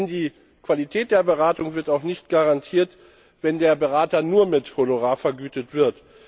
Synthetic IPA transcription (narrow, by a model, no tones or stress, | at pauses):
ndiː | kv̥alitʰɛːt̚d̥eːɐbəʁaːtʊŋvɪɐtaʊxnɪçtɡ̥aʁantʰiːɐt | v̥ɛndeːɐbəʁaːtɐnuːɐmɪthonoʁaːfɛɐɡyːtətv̥ɪɐt